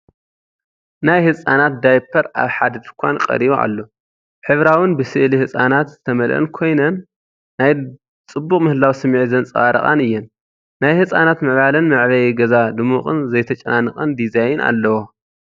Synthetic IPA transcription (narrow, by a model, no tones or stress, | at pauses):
najhɨt͡sʼanat̪̚d̪ajpʰːɐɾa̰βħad̪ɐd̪ɨkʷʰankʼɐ̰ɾiβoʔa̰lːo̞ | ħɨβɾawɨnbɨsɨʔlihɨt͡sʼanat̪zɨt̪ʰɐmɐlʔɐ̰nkʰo̞jnɐnː | aj | t͡sʼɨbːuχʼmɨhɨlawsɨmʕizɐnt͡sʼɐwaɾɐ̰χʼa̰nɨjːɛn | najhɨsʼanat̪mɨʕβalɨnmɨʕβɐjɛɡɐzad̪ɨmuχʼɨ̰nzɐjt̪ʰɐt͡ʃʼɐnanːɨkʼɐnd̪izajna̰lːɐwo